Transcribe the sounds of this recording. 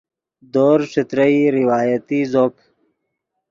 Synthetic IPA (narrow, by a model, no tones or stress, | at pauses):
d̪oːɾʂit̪ɾəiɾiwaːjət̪izoːp